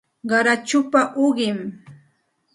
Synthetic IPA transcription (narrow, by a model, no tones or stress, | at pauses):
ɢɑɾat͡ʃʊpaʔoɢɪm